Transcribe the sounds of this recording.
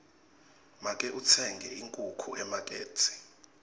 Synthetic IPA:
makʼɛʔut͡sʰɛŋɡʱɛʔiŋkʼukʰuʔɛmakʼeːt͡sʰʼi̥

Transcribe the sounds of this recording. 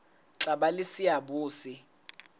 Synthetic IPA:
ǁaɓalɪsɪabuːsɪ

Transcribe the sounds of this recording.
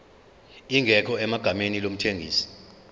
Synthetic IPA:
iŋʱɛkʰɔɛmaɡ̥ʱamenilom̩tʰeŋʱḭːsi̥

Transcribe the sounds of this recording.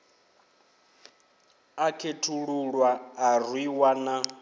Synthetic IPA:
akʰetʰuɺuɺwaːrwiwana

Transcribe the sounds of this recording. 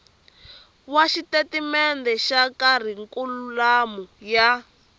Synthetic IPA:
waʃitetimɛndɛʃakar̤iŋkululamuja

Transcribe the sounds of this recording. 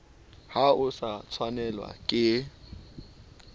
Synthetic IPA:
haʊsat͡sʰwanɛlwa̰kʼɪ

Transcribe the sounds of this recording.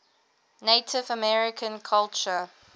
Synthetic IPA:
neɪtʰɪvəmɛɹɪkʰə̃nkʰalt͡ʃə

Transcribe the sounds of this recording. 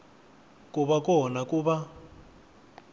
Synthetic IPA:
kuβakɔnakuβa

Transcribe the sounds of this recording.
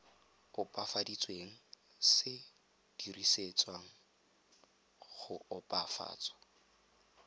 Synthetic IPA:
ʊpʼafadit͡sʼweːŋ̩ | sɪ | d̥iriset͡sʼwaŋ̩ | χʊʊpʼafa̰ːt͡sʼɔ̥

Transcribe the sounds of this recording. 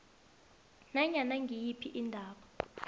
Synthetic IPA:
naɲanaŋɡʱijipʰiʔindʱaːɓɔ

